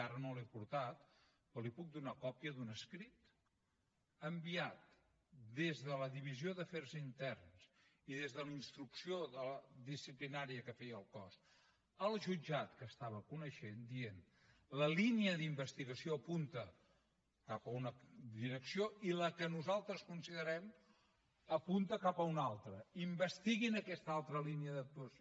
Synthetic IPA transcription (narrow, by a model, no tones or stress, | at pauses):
aɾənolɛpuɾt̪at̪̚ | pɔlipuk̚d̪unakɔpjəðunəskɾit̪ | əmbiat̪̚ | d̪ezðələðiβizioðəfɛɾzint̪ɛrns | iðezðəlinst̪ɾuksioðələðisiplinaɾiəkəfɛjəlˠkɔs | əlˠʒud͡ʒat̪kəst̪aβəkunəʃend̪ien | ləliniəðimbəst̪iɣəsioəpunt̪ə | kapəunəd̪iɾəksioiləkənuzalˠt̪ɾəskunsiðəɾɛm | əpunt̪əkapəunalˠt̪ɾəimbəst̪iɣinəkɛst̪əalˠt̪ɾəliniəðək̚t̪uəs